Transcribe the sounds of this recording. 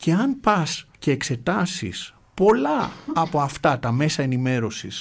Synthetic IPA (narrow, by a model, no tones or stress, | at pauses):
ce̞ɐnpɐsce̞ːkse̞t̪ɐsḭs | po̞lɐːpo̞ɐft̪ɐt̪ɐme̞sɐe̞nime̞ɾo̞sis